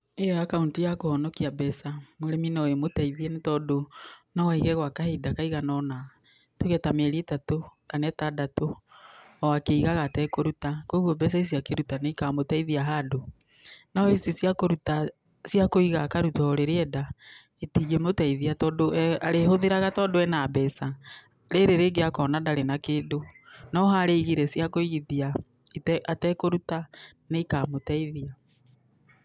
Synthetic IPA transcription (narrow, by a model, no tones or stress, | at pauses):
ejɔakauntijakohɔnɔkiabɛsamoɾɛminaoemotaiðienetɔdonawaiɣɛɣwakahedakaiɣanɔna | toɣɛtameɾietatokanɛtadato | ɔakeiɣaɣatɛkoɾutakoɣɔbɛs̬ais̬iakeɾutaneikamotaiðiaɦado | naisisjakoɾuta | sjakoiɣakaɾutaɔɾeɾeɛda | etid͡ʒemotaiðiatɔdoaɾeɦoðeɾaɣatɔdoɛnabɛsa | ɾeɾeɾeɡeakɔnadaɾenakeːdonɔɦaɾeiɣiɾɛsjakoiɣiðia | itatɛkoɾuta | neikaːmotaiðia